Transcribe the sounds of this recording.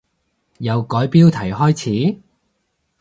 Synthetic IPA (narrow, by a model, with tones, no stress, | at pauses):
jɐ˨˧wkɔː˨˥jpiː˥wt̪ʰɐ˨˩jɦɔː˥jt͡sʰiː˨˥